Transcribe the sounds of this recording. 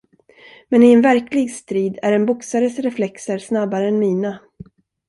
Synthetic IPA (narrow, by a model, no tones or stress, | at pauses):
mɛnɪɛnvæɾklɪɡst̪ɾiːd̪æɾɛnbʊksaɾəsɾɛflɛksəɾsnabːaɾəɛnmiːna